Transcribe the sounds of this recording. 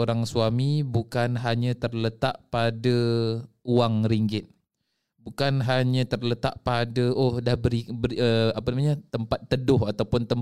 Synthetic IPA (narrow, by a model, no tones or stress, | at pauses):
oɾaŋsuamĩbukanɦaɲãt̪ərlət̪aʔpada | uaŋɾiŋɡɪt̪̚ | bukanɦaɲãt̪ərlət̪aʔpadaohdahbəɾibəɾəapanamaɲət̪əmpat̪ːədʊɦat̪awpʊnt̪əm